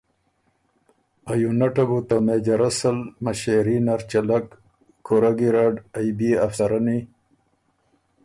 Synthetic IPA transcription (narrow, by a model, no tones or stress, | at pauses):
ajunaʈabut̪amed͡ʑaɾasəlmaɕeɾinaɾt͡ɕɐlakːʰ | oɾaɡiɾaɖajbiafsaɾani